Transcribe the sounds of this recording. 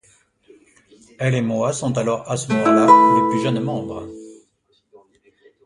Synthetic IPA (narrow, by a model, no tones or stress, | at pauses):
ɛlemwasɔ̃t̪alɔʁasəmɔmɑ̃laləplyʒənmɑ̃bʁə